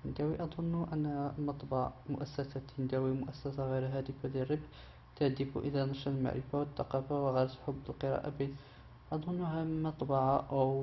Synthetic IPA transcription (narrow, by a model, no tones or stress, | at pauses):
ənd̪æwiʔɑd̪ˤʊnːʔənːmɑt̪ˤbɑʕmʊʔæsːæsat̪ənd̪æwimʊʔæsːæsaɣəjɾɦæd̪əfalirəbħ | t̪aʕd̪əfṵʔəlænɑʃɑlma̰ʕɾʔə̰fawət̪ːɑqɑfawɣəjɾt̪ħʊbːəlqəɾˤɑ̰ʔa̰bin | ʔɑd̪ˤʊnːhæmɑt̪ˤbɑʕɑʔæw